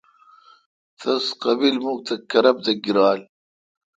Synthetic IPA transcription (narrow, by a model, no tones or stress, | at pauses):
θɐsqɑbilmuk̚t̪ɐkːɐɾɐb̚t̪ɐɡiɾaːl